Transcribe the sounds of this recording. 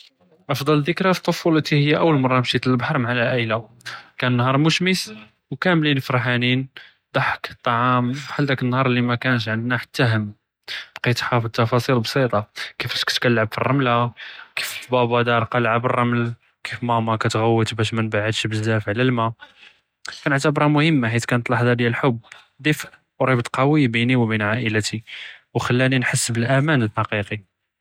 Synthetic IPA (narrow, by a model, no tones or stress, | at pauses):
ʔɑfd̪ˤɑld̪əkɾæt̪ˤːofulət̪ihəjːæʔəwːəlmɑrˤːɑmʃit̪əlbħɑɾˤmʕalæʔæjla | kænənːhɑɾˤmuʃmis | wkæmlinfɾħanin | d̪ˤɑħə̥kt̪ˤːɑʕɑmħald̪ækənːhɑɾˤlːimækænəʃ̬ʕənd̪næħḁt̪ːæɦəm | b̥qit̪ħɑfd̪̚t̪ːɑfɑsˤilbsˤit̪ˤɑkifæʃkæ̥t̪kælːʕabfirˤːɑmlakift̪bæbɑd̪ɑɾˤqɑlʕabərˤːɑml | kifmæmɑkæt̪ɣæwːət̪bæʃ̬mənbaʕəd̪ʃbəzːæfʕlælmæ | kænəʕt̪əbɾˤɑmʊhəmːaħit̪kænət̪ˤlɑħd̪æd̪jælħʊbː | d̪ifʔ | wɾibt̪qɑwibiniwbinʕaʔəlæt̪iwxælːæninħəsːbəlʔæmænəlħɑqiqi